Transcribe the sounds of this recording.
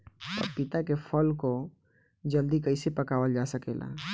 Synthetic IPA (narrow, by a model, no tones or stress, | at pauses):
ɔ̰ɾpɪt̪akefʰəlko | d͡ʒəld̪ikəɪsepɐkaːwəld͡ʒaːsəkeːla̰